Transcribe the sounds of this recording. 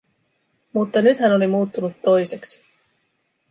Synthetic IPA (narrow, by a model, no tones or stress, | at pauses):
mut̪ːɑnyt̪hæno̞limuːt̪ːunut̪ːo̞jse̞ksi̥